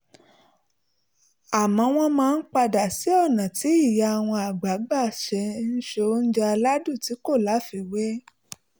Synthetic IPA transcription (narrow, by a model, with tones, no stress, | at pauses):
a˨mɔ̃˨˧˦w̃ɔ̃˧mãː˦˧n̩˦k͡pa˧da˨si˨˦ɔ˦˨nã˨ti˨˦i˦˨ja˧a˨w̃ɔ̃˧a˨ɡ͡ba˨˦ɡ͡ba˦˨ʃɛ˧˦n̩˦ʃo˧n̩˦d͡ʒa˧la˦du˦˨ti˨˦ko˦˨la˨˦fi˧we˦